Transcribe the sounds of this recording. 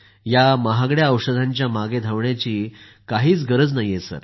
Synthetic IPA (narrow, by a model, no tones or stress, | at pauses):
jaməɦaɡɽjaəwʂəd̪ʱaɲt͡ɕjamaɡed̪ʱaʋɳjat͡ɕiːkaɦiːt͡sɡəɾəd͡znajesə̰ɾ